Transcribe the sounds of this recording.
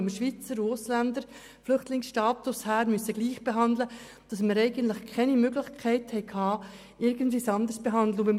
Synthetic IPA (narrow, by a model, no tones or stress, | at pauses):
ɪmʃʋit͡səɾuʊslændəɾ | flʏχtlɪŋsʃtɑːtushæːɾmyøsəɡ̥liːχb̥eɦɑnd̪lə | d̥ɑsməɾɛɪɡ̥əntləχkʰɛnimøɡlɪχkʰɛɪthɛɪkhɑː | ɪɾɡəntviːsɑnd̪əɾsb̥eɦɑnd̪ləubɪm